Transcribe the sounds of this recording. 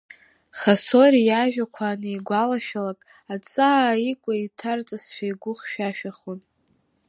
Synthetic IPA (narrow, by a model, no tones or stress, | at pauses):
χaso̞rijaʒᶣakʷʰaːnɨiɡʷalaʃᶣalakʼ | at͡sʼaaikʷʼaitʰart͡sʼasʃᶣajɡʷʊχʃᶣaʃᶣaχon